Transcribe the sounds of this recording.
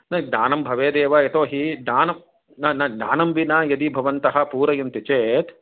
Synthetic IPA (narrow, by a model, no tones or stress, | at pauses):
nɐd̪aːnɐmbʱɐʋeːd̪eːʋɐet̪oːɦid̪aːnɐm | nɐnɐd̪aːnɐmʋinaːjɐd̪ibʱɐʋɐnt̪ɐɦɐ̆puːɾɐjɐnt̪it͡ʃeːt̪